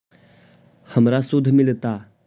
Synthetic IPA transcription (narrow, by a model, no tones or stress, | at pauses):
həmɾasud̪ʱːmilt̪a